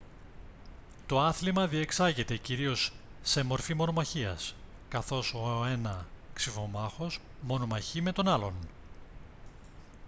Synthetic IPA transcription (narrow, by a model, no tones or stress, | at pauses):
t̪o̞ɐθlimɐðie̞ksɐʝet̪e̞ciɾio̞sːe̞mo̞ɾfimo̞no̞mɐçiɐ̰s | kɐθo̞so̞e̞nɐksifo̞mɐxo̞s | mo̞no̞mɐçime̞t̪o̞nɐlo̞n